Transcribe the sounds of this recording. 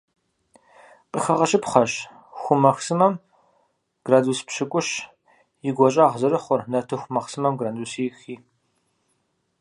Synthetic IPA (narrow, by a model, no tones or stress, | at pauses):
qʼəxɐʁɐɕʼɪpχɐɕ | xʷʊmɐxsɨmɐm | ɡ̥raduːspɕɪkʷʼʊɕ | jɪɡʷɔɕʼaːʁzɐɾɨχʷɔrnɐtʰɨxʷʊmɐχsɨmɐmɡraːduːsiːxiː